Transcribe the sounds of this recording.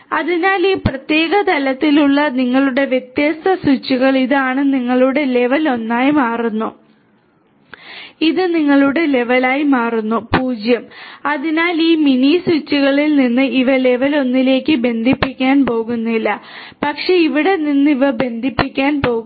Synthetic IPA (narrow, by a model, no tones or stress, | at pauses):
ɐðinaːliːprɐt̪je̞ːɣɐt̪ɐlɐt̪ːiluɭːɐniŋːɐɭuɽe̞ʋjet̪jɐst̪ɐsut͡ɕːuɣɐɭiðɨaːɳɨniŋːɐɭuɽe̞le̞ʋɐlo̞nːaːjimaːrunːu | iðɨniŋːɐɭuɽe̞le̞ʋɐlaːjimaːrunːupuːd͡ʑjɐmɐðinaːliːminisut͡ɕːuɣɐɭilninːɨiʋɐle̞ʋɐlo̞nːile̞ːkʲːɨbe̞nd̪ʱipːikʲːaːnpo̞ːɣunːilːɐ | pɐkʂe̞iʋiɽe̞ninːiʋɐbe̞nd̪ʱipːikʲːaːnpo̞ːɣ